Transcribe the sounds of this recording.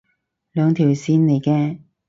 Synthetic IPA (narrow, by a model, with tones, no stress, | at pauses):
lœː˨˧ŋt̪ʰiː˨˩wsiː˧nne˨˧jkɛː˧